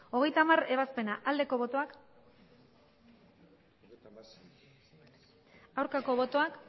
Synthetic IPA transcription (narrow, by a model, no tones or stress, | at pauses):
o̞ɣe̞jt̪amaɾe̞β̞aspe̞naʔald̪e̞ko̞βo̞t̪o̞ak | awɾkako̞βo̞t̪o̞ak